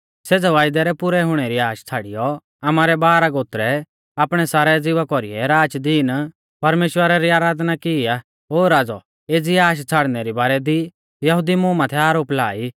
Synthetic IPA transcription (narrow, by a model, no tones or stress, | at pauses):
seːd͡zaʋaːjd̪ɛɾɛpʊɾɛɦʊɽ̃ɛɾiaːʃt͡sʰaːɽijɔ | amaɾɛbaːɾaɡoːt̪ɾɛ | aːpɽ̃ɛsaːɾɛd͡zɪʋakɔɾḭɛɾaːd͡ʒd̪iːn | pɐɾmeːʃwəɾaɾiaːɾaːd̪nakɪiaː | oːɾaːd͡zɔ | eːd͡ziaːʃ̬t͡sʰaːɽnɛɾibaːɾɛd̪i | jɐɦʊd̪imʊ̃ːmãt̪ʰɛaːɾoːplaːi